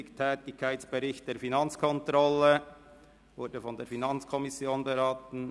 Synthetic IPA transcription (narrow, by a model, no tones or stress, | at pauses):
ɪktʰɛːtɪçkʰːaɪt͡sb̥əɾɪçt̚d̥eːɾfinɑnt͡skʰɔntɾɔlə | vʊɾdəfɔndeːɾfinɑnt͡skʰɔmɪsjoːnbəɾɑːtn̩